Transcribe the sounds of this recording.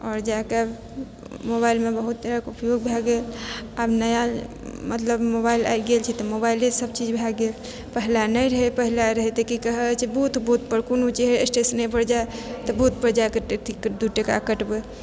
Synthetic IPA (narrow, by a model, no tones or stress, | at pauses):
ɔːɾd͡ʒake | moβailmebəɦut̪̚ːəɾakupjoɡ̚bʱaɡelabnəja | mət̪ləbmobaila̰jɡelt͡ʃʰɛt̪ɔmobailesəbt͡ʃid͡ʒbʱaɡel | pəɦlanəjɾəɦepəɦilaɾəɦet̪ekikəɦɛt͡ʃʰibuut̪bʱut̪̚pəɾkonot͡ʃeɦeesʈesənepəɾd͡ʒaet̪ɔbʱut̪̚pəɾd͡ʒakeʈeʈ̪ʰikd̪uʈeka̰kəʈbe